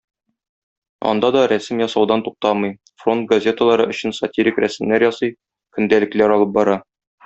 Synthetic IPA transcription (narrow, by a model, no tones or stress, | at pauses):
ɒ̰nd̪ɑd̪ɒɾæsɘmjɒsɑwd̪ɑnt̪uq̚t̪ɑmɤj | fro̞nt̪̚ɡɐzʲe̞t̪ə̆lˠɑɾɤʔɵ̆ɕɘ̆nsɐtʲiɾʲikɾæsɘ̆mlæɾjɒsɤj | kɵ̆nd̪ælɘ̆klæɾɒlˠɤp̚bɒɾɑ